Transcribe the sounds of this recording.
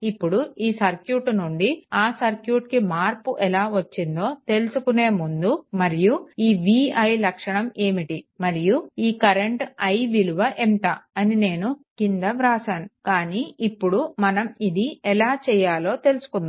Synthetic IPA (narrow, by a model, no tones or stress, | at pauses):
ipːuɽuiːsɐɾkjuːʈnuɳɖiaːsɐɾkjuːʈkimaːɾpuʔɛlaːʋɐt͡ʃːind̪o̞ːt̪e̞lusukune̞ːmund̪umɐɾijuiːʋiːɐjlɐkʂɐɳɐme̞ːmiʈimɐɾijuiːkɐɾeɳʈɐjʋiluʋɐʔemʈ̪aːɐnine̞ːnukind̪ɐʋɾaːsaːnukaːniːipːuɽumɐnɐmid̪iɛlaːt͡ʃɛːjaːlo̞ːt̪e̞lusu̥kund̪a